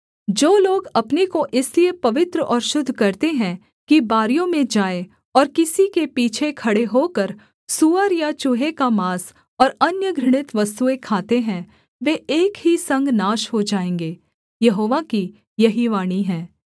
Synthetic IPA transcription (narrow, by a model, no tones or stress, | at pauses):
d͡ʒoːloːɡɐpnekoʔɪsliepɐʋɪt̪ɾəɔːɾʃʊd̪ʱːkɐɾt̪eɦɛ̃ | kibaːɾijõmẽd͡ʒaːe | ɔːɾkɪsikepiːt͡ʃʰekʰɐɽeɦoːkəɾ | suːəɾjat͡ʃʊɦekamaːs | ɔːɾɐnjəɡɾɪɽ̃ɪt̪ʋɐst̪uekʰaːt̪eɦɛ̃ | ʋeːeːkɦisɐ̃ŋɡnaːʃɦod͡ʒaːẽːŋɡeː | jɐɦoːʋaki | jɐɦiʋaːɽ̃iɦɛ̃ː